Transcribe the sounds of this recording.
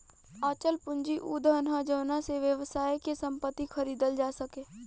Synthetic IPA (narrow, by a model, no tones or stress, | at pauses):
aːt͡ʃəlpʊ̃ɲd͡ʒiʔuːd̪ʱənɦad͡ʒoːnaseʋjəʋsaːekesə̃mpət̪ːixʰɐɾiːd̪əld͡ʒaːsəkẽː